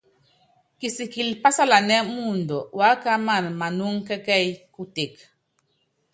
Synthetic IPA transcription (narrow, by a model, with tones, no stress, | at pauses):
ki˨si˨ki˨lpa˦sa˦la˨nɛ˦mu˦˨ndɔ˨wa˨˦ka˦ma˦˨nma˨nu˦ŋkɛ˦kɛ˦˨jku˦te˨k